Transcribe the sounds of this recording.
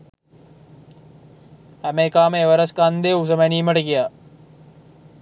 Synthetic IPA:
hæmekaːmeeʋəɾəskand̪eːus̬əmæniːməʈəkijaː

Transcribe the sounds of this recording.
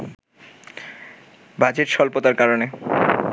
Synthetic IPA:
bad͡ʑeʈʃɔlpot̪aɾkaɾone

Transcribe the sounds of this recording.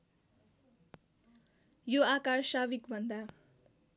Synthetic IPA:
joakarsabikbʱʌnd̪a

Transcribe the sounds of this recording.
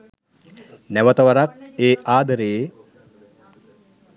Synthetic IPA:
nɛʋɐt̪ɐʋɐɾak̚eːʔaːd̪əɾeje

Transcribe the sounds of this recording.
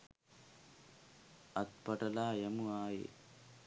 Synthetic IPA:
ɐt̪̚pɐʈɐlaːjɐmuaːjḛ

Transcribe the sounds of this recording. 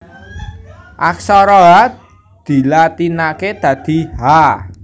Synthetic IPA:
ʔaksɔɾɔɦa | d̪̥i̤lat̪inaked̪̥ä̤d̪̥i̤ɦa

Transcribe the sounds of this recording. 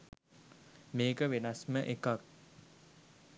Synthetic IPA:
meːkəʋenasməʔekak̚

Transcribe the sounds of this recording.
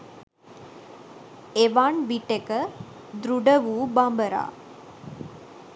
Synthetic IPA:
eʋaɳʋiʈekə | d̪ɾuɖəʋuːbambəɾa̰ː

